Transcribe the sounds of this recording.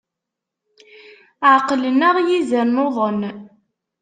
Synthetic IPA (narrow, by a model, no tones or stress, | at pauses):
ʕqlənəʁjizəɾnoðˤən